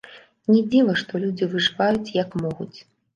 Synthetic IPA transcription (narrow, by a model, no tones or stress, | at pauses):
nʲɛd͡zʲivɐʂt̪ɔlʲud͡zʲivɨʐɨvajut͡sʲjɐkmɔɣṵt͡sʲ